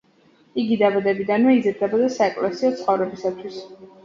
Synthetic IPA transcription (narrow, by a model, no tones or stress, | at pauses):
iɡid̪abad̪ɛbid̪anmɛid̪zɛɾd̪ɛbɔd̪asaɛkʼlɛsiɔt̪sʰχɔvɾɛbisat̪ʰwis